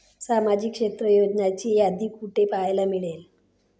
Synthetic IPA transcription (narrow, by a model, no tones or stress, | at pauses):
samad͡ʑikʂet̪ɾəjod͡ʑnat͡ɕiːad̪ʱiːkuʈepajlamiɭel